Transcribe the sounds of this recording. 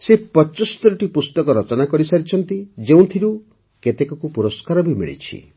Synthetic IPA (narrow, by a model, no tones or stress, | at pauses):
sepɔt͡ʃɔsɔ̥t̪ɔɾɔʈipust̪ɔkɔɾɔt͡ʃɔnakɔɾisaɾit͡ʃʰɔnt̪id͡ʒeũt̪ʰiɾu | ket̪ekɔkupuɾɔskaɾɔbʱimḭɭḭt͡ʃʰḭ